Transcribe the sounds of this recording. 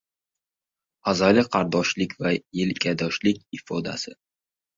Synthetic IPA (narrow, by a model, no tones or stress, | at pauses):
azɒjlɪqʰɑɾd̪ɒʃlɪkʲvajɪlkʲʰad̪ɒʃlɪkʲɪfɒd̪a̰sɪ